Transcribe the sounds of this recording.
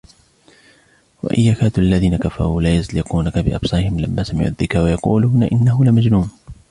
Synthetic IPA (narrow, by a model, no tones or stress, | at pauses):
wa̰ʔɪjːaːkaːt̪ʔalːaðiːnakafɑ̰ɾˤuːlaːjazlɪquːnakabɪʔɑ̰bsˤɑːɾɪhɪmlamːaːsamɪʕṵːðːɪkɾwajɑqṵːluːnaʔɪnːaɦʊlɪmad͡ʒnuːn